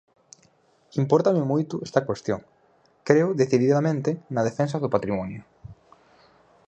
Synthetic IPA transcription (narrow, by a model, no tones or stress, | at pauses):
impɔɾt̪amemujt̪uest̪akwest̪joŋ | kɾeʊðeθiðiðamẽnt̪enað̞efens̬aðʊpat̪ɾimɔnjʊ